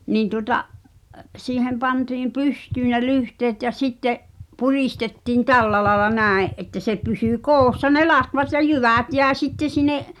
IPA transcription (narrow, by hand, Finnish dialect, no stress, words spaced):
niːn tuŏtɑʔ siːhem pɑntiːm pystyː ne lyhteːt jɑ sitːeʔ puriˑstetːiːn tælːæ lɑĕlɑ næˑeʔ ʔetːæ se pysyˑ koːsːɑ ne lɑtʋɑt jɑ jyʋæˑt jæˑe sitːe sinˑeʔ